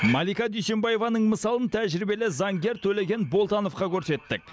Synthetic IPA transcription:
mɑlˠijkɑd̪ʏjse̞nbɑje̞vɑnəɴməsɑlˠənt̪ʰæʒɪɾibe̞lɪzɑŋɡʲe̞ɾt̪ʰɵle̞ɡʲe̞nbo̞lˠt̪ɑno̞fqɑkʲʰɵɾse̞t̪ːɪk̚ʲ

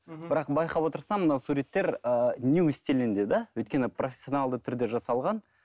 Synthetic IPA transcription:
bɪɾɑq̚bɑjqɑpwo̞t̪əɾsɑmənɑwsuɾʲe̞t̪ːe̞ɾənʲuwɪst̪elɪnd̪e̞d̪ɑwɵjt̪kʲe̞nɪprʔo̞fʲesʲːjo̞nɑlˠd̪ət̪ʰʏɾd̪e̞ʒɑsɑlˠʁɑn

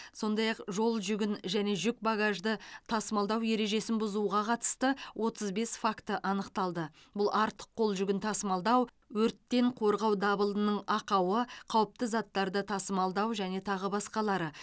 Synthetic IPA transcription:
so̞nd̪ɑjɑqʒo̞lˠʒʏɡʲɪnʒæne̞ʒʏk̚baɡaʒd̪ət̪ʰɑsmɑlˠd̪ɑwje̞ɾe̞ʒe̞sɪnbʊzuʁɑqʰɑt̪ə̥st̪əwʔo̞t̪əzbe̞sfakt̪əʔɑnəqt̪ɑlˠd̪ə | bʊlˠɑɾt̪ə̥qʰːo̞lˠʒʏɡʲɪnt̪ʰɑsmɑlˠd̪ɑw | wɵɾt̪ːe̞ɴqʰo̞ɾʁɑwd̪ɑbəlˠd̪ənəɴɑqɑwəqʰɑwəp̚t̪əzɑt̪ːɑɾd̪ət̪ʰɑsəmɑlˠd̪ɑwʒæne̞t̪ʰɑʁəbɑsqɑlˠɑɾə

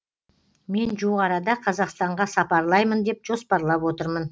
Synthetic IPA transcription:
me̞nʒuʁɑɾɑd̪ɑqʰɑzɑqst̪ɑɴʁɑsɑpɑɾlˠɑjmənd̪e̞pʒo̞spɑɾlˠɑpwo̞t̪əɾmən

